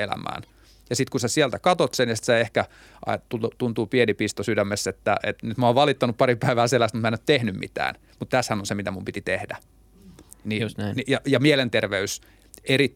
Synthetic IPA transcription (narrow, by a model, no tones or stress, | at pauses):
elæ̰mæ̰ːn | jɑsit̪kusesiælt̪ækɑt̪ot̪senjɑsi̥t̪seehkæ | ɑ̰t̪ult̪unt̪uːpienipist̪osydæmːesːet̪ːæ̰ʔḛt̪nyt̪moːʋʋɑlit̪ːɑnuppɑripæiʋæːselæst̪mut̪mæenot̪t̪ehnymmḭt̪æ̰ːn | mut̪t̪æshænonsemit̪æmumpit̪it̪ehdæ̰ | ninijɑjɑmielent̪erʋeys | erit̪